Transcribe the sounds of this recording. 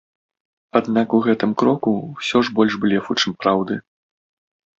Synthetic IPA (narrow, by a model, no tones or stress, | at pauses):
ad̪nakuɣɛt̪ɨmkɾɔkuwsʲɔʐbɔlʲʐbɨlʲɛfut͡ʂɨmpɾawd̪ɨ